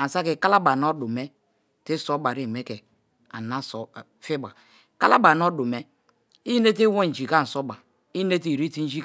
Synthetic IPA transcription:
a˨n̩˨sa˦ki˨ka˦la˦ba˨no˦du˨me˦ | ti˦so˦ba˨ɾi˦˨me˦ke˨ | a̰˨na˦so˨ | fi˦ba˨ | ka˦la˦ba˨n˦o˦du˨me˦ | i˦ne˦ti˦we˦˨n̩˨d͡ʒi˨ka˦n̩˨so˦ba˨ | i˦ne˦ti˨ɾi˦ti˦n̩˦d͡ʒi˦

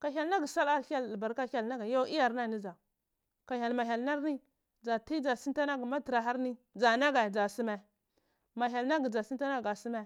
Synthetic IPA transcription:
ka˨çʲa˨lna˦ɡi˨sa˦la˦a˦lba˨ɾka˦a˦˨lna˦ɡa˨jo˦i˦ja˨ɾna˦ni˦d͡ʒa˨ | ka˨çʲa˨lma˨ɦʲa˨lna˦ɾni˦ | d͡za˨ti˦d͡ʒa˨si˦nta˦na˦ɡi˨ma˦ti˨ɾa˨ɦa˦ɾni˦d͡za˨na˦ɡa˨d͡za˨si˦me˨ | ma˨ɦʲa˨lna˦ɡi˨d͡za˨si˦nta˦na˦ɡa˨si˦me˦

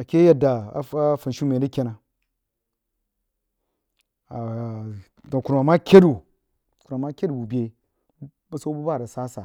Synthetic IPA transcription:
a˨kʲe˦ja˨da˨a̰˨a˦fa˨n˨ʃu˦me˨da˦kʲe˦na˨ | a˨ | do˨ku˨ɾu˨a˨ma˦kʲe˦du˨ | ku˨ɾu˨ma˦kʲe˦du˨bu˨bʲe˨˦ | ba˦so˦bu˦ba˦˨da˨sa˦sa˨

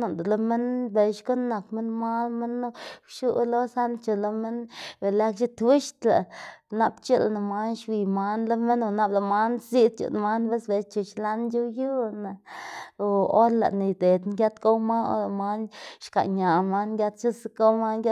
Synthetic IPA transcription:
no˨nd̪lo˧mi˦nbe˨ʃko˦nːa˨kmi˦nma˦lme˦nːo˦ʃu˦lo˦sa˦nt͡ʃo˨lo˧me˦nbe˨la˦kʃi˦t̪wi˦ʃt̪la̰˨na˧bt͡ʃu˦lna˨ma˦nʃwi˨ma˧˦nlo˦me˦no˧na˦bla˨ma˦nsi˦d̪̚t͡ʃṵ˨n˧ma˦nbe˦sbe˧t͡ʃu˧˨ʃla˦nju˦ju˦na˨ | o˦ɾla̰˨ʔni˨d̪e˨d̪ŋɡʲa˦t̪ko˦wma˦o̰˦la˧ma˦nʃka̰˨ʔɲa˨ma˦nɡʲa˧˦t̪t͡ʃu˦sko˦ma˦ɡʲa˦

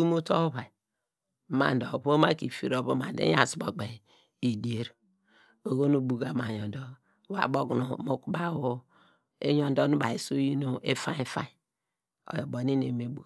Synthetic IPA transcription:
u˦mu˦to˦βa˨ | ma̰˨ndo˨βo˦ma˦ki˨fi˨ɾo˨βo˦ma˨dḛ˦a̰˨sbo˨ɡ͡be˨ | i˨di˨˦e˦ɾ | o˨ɡo˦nu˨bu˨ɡa˨ma˨jo˨ndo˦ | wa̰˨bo˦ɡnu˨mo˦ku˦ba˦˨wo˦ | ḛ˦ɲo˨ndo˦nu˦ba˨e˨su˦ji˦no˦e˦fa˦i˦fa̰˦˨ | o̰˨jo˨bo˨ni˦nḛ˨me˨bu˨

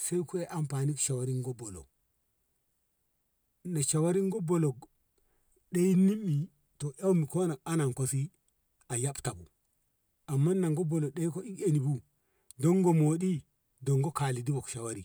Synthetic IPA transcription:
se˦jku˦e˦ʔa˨mpaː˨ni˦kʃa˨wa˦ɾi˦ŋɡo˦bo˨lo̰˨ | na˨ʃa˨wa˦ɾi˦ŋɡo˦bo˨lo˨ɡ | ɗe˦jni˦mːi˨ | to˨ʔa˦wmi˨ko˦na˨a˦na˨ŋko˦si˦ | a˨ja˦bta˨bu˨ | a˨mːa˦nːa˨ŋɡo˦bo˨lo˨ɗe˦i˦ko˦i˦ke˨ni˨bu˦ | do˦ŋɡo˨mo˨di˦ | do˨ŋɡo˦ka˨li˨di˦bo˨kʃa˨wa˦ɾi˨

